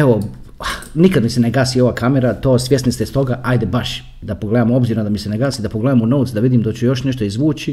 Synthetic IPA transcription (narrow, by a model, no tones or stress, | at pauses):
eʋo̞ | nikad̪miseneɡaːsio̞ʋaːkameɾat̪o̞ːsʋʲje̞snist̪est̪o̞ɡaʔajd̪ebaʃ | d̪apoɡled̪amo̞bziːɾnod̪amiseneɡaːsid̪apoɡled̪aːmunout̪sd̪aʋid̪iːmd̪at͡ɕujo̞ʃne̞ʃt̪oizʋuːt͡ɕi